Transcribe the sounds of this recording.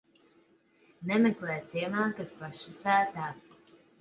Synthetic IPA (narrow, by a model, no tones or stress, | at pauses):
nɛmɛklɛːt̪siɛmaːkaspaʃisæːt̪aː